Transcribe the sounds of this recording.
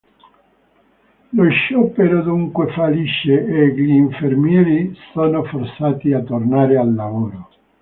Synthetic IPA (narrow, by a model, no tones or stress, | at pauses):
loʃːɔpeɾod̪uŋkwefaliʃːeeʎiːɱfermjɛːɾisonofort̪saːt̪iat̪ːornaːɾealːavoːɾo